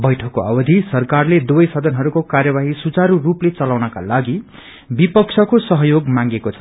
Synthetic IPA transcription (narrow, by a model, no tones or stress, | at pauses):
bʌjʈʰʌkːoa̰bʌd̪ʱisʌrkarled̪ubʌjsʌd̪ʱʌnɦʌɾukokarjʌbaɦisut͡saɾuruplet͡sʌlawnʌkalaɡi | bipʌkt͡sʰʌkosʌɦʌjoɡmãŋɡekot͡sʰʌ